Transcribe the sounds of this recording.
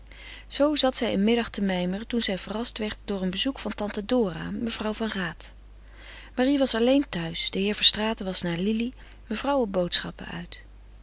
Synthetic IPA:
z̥owzɑtsɛjənmɪdɑχtəmɛjməɹtunzɛjvərɑstʋɛɹt̚dʊːɹənbəzukfɑntɑntadʊːra̰məv̥rʌwvɑnraːt | maːriʋɑsɑlejntœɥsdəɦɪːɹvəɹstraːtəʋɑsnaːɹlili | məvrʌwɔbowtsχɑ̰pə̰œ̰ɥt

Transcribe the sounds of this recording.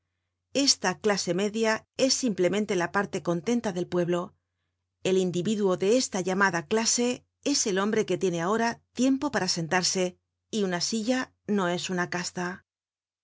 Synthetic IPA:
e̞st̪aklase̞me̞ðjae̞sːimple̞mẽnt̪e̞lapaɾt̪e̞ko̞nt̪e̞nt̪aðe̞lpwe̞βlo̞ | e̞lind̪iβiðuo̞ðe̞e̞st̪aʝamaðaklase̞ | e̞se̞lo̞mbɾe̞ke̞t̪je̞ne̞ao̞ɾat̪je̞mpo̞paɾase̞nt̪aɾse̞ | iunasiʝa | no̞e̞sunakast̪a

